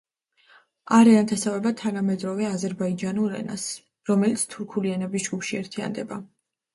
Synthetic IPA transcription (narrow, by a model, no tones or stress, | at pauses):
aɾɛant̪ʰasavɛbat̪ʰanamɛd̪ɾɔvɛazɛɾbaid͡ʒanuɾɛ̰na̰s | ɾɔmɛlit̪sʰt̪ʰuɾkʰuliɛnɛbisd͡ʒɡupʃiɛɾt̪ʰia̰nd̪ɛba